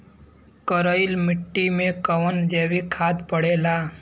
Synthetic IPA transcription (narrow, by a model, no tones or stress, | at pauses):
kəɾəɪlmɪʈːimẽkəʋənd͡ʒeːwikʰaːd̪pəɽeːlaː